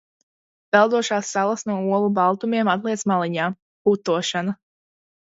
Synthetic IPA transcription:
pɛlˠd̪uɔʃaːsːalˠɐsnuɔuɔlˠubalˠt̪umiɛmat̪lˠiɛsmalˠiɲaː | kut̪uɔʃana

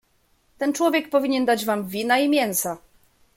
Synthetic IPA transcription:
t̪ɛnt͡ʂwɔvʲjɛk̚pɔvʲiɲɛnd̪ad͡ʑvamvʲinaimʲjɛnsa

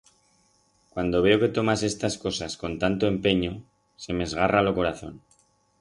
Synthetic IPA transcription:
kwand̪o̞β̞e̞o̞ke̞t̪o̞mase̞st̪asko̞sasko̞nt̪ant̪o̞e̞mpe̞ɲo̞ | se̞mezɣaralo̞ko̞ɾaθo̞n

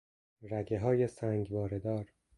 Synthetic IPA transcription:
ɾæɡeɦɒːje̞sæŋɡvɒːɾe̞d̪ɒːɾ

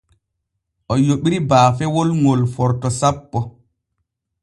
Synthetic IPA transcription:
ʔɔjoɓiɾibaːfɛwolŋolfɔɾtɔsapːɔ

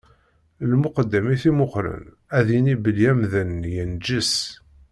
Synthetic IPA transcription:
lmʊqəd̪ːæmiθimʊχɾə̰n | æðinibəljæmðənːjənd͡ʒəs

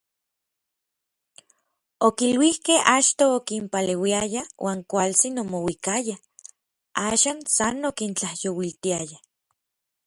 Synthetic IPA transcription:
okilwihkehat͡ʃt̪oːkimpalewiajawʔaːŋkʷalt͡sinomowikaja | aːʃaːnsanokint͡ɬahjowilt̪iaja

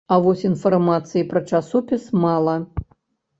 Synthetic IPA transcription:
ɐvɔsʲinfarmat̪sɨjipɾɐt͡ʂasɔpʲismalˠɐ

